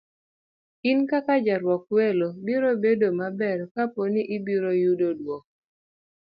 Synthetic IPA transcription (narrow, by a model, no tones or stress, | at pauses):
inkakad͡ʒaɾwɔkwelobiɾobedomabɛrkaponiʔibiɾojudodwɔk̚